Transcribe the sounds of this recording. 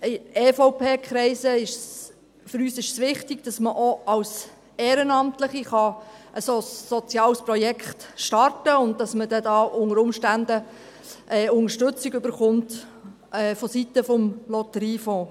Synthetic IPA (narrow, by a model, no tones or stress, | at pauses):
ɪeːfoʊpʰeːkχɾɛɪsəɪʃs | fəɾyːsɪʃsʋɪχtɪɡ̥d̥ɑsməʔoɑws | eːɾənɑmtləχiχɑəsosːɔt͡sjɑːlspɾɔjɛkχtʃtɑrtəʊnd̚d̥ɑsmədɛdɑːʊŋəɾʊmʃtændə | ʔɛːʊŋəʃtɵt͡sɪɡʏbəɾχʊmt | ɛːfɔsit̪əfɔmlɔtəɾiːfɔ̃ː